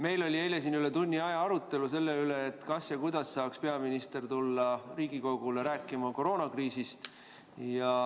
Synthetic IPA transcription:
me̞jlo̞lʲiejles̬inyle̞t̪unʲːiɑjɑɑɾut̪ːˑe̞luse̞lːeyle̞ːt̪ːˑkɑsjɑkujd̪̥ɑsːɑːkspe̞ɑminist̪e̞rt̪ulːɑriːɡ̥iko̞ɡ̥uleɾæːkːˑimɑko̞ɾo̞ːnɑkriːsist̪ | jɑ

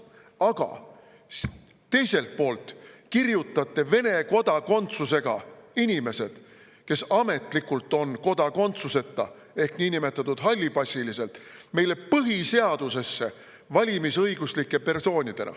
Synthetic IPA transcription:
ɑɡ̥ɑ̰ | t̪ːe̞jse̞lt̪̚po̞ːlt̪kirjut̪ːˑɑt̪ːˑe̞ve̞ne̞ko̞d̪̥ɑko̞nt̪suse̞ɡ̥ɑ̰inʲime̞se̞d̪̥ | ke̞sɑme̞t̪ˑlikːult̪ːˑo̞nko̞d̪̥ɑko̞nt̪suse̞t̪ːˑɑ̰ | e̞hkniːnime̞t̪ːˑɑt̪ːˑud̪̥ɦɑlʲːibɑsʲːilise̞lt̪ˑme̞jle̞pɤɦise̞ɑd̪̥use̞sːe̞ | vɑlʲimisɤjɡ̥uslikːˑe̞pe̞rso̞ːnʲid̪̥e̞nʔɑ̰

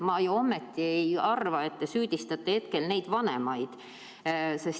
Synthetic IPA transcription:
mɑjuo̞mːe̞t̪ːiejɑrvɑe̞t̪ːe̞syːd̪̥ʲist̪ɑt̪ːehe̞t̪̚ke̞lne̞jd̪̥vɑnḛmɑjd̪̥ | se̞s

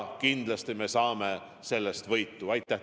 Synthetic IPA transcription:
kind̪̥lɑst̪ime̞sɑːme | se̞lːe̞st̪vɤjt̪ːˑuɑjt̪ːˑæ

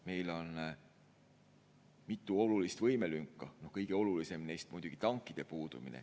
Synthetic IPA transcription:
me̞jlo̞n | mit̪ːˑuo̞lulist̪vɤjme̞lyŋkːˑɑno̞hkɤjɡ̥e̞o̞lulise̞mnejst̪̚mujd̪̥uɡ̥it̪ɑŋkːˑid̪̥e̞puːd̪̥umḭnḛ

